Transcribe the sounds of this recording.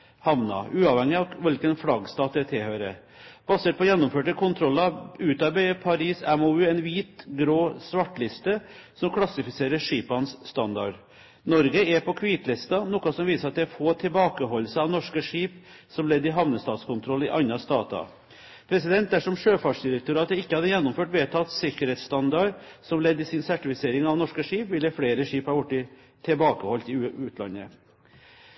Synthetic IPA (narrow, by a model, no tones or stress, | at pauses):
hɑʋnɑ̰ʔʉːɑʋhɛŋːɪɑʋɪlkənfɽɑɡst̪ɑːt̪̚ɛt̪ʰɪlhøːɾə̰ | b̥ɑseːʈ̚pɔjɛnːʊmføːʈəkʰʊnt̪ʰɾɔlːɑʉːt̪ɑbœʏəpʰɑɾiːsɛmoːʉːɛnʋiːt̪ɡɾoːsʋɑʈːlɪst̪əsɔmkʰlɑsɪfɪseːɾəʂiːpɑnsːt̪ɑnd̪ɑɖ | nɔɾɡəɛpʰɔkʰʋiːt̪lɪst̪ɑnɔkɑsɔmʋiːsəɾɑt̪d̪ɛæfoːt̪ʰɪlbɑːkəɦɔlːsəɑʋnɔʂkəʂiːp | sɔmlɛd̪ːɪɦɑʋnəst̪ɑːt̪skʊnt̪ʰɾɔlːɪʔɑnːɑst̪ɑːt̪ɑ̰ | pʰɾɛsɪd̪ɛnt̪̚d̪æʂɔmʂøːfɑːʂd̪ɪɾək̚t̪ʊɾɑːt̪əɪkːəhɑd̪ːəjɛnːʊmføːʈʋeːt̪ʰɑːt̪sɪkəɾheːt̪st̪ɑnd̪ɑɾsɔmlɛd̪ːɪsɪnsæʈɪfɪseːɾɪŋɑʋnɔʂkəʂiːpʋɪləfɽeːɾəʂiːphɑɾjʊʈːɪ | t̪ʰɛbɑːkəhɔlt̪ɪʉːt̪ʰlɑ̰nːə